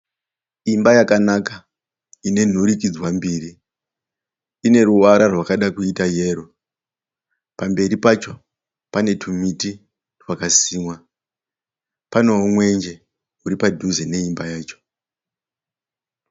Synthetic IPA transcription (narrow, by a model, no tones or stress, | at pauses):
imbajakanaka | ine̞n̤uɾik̬id͡zwambiːri | ne̞ɾuaɾarwakaɗakuitaje̞ːɾo | pambe̞ɾipat͡ʃo̞ | pane̞tʰumiti | rwakasiːmwa | pano̞omwe̞nd͡ʒe̞ | uɾipadʱuzene̞imbajaːt͡ʃo̥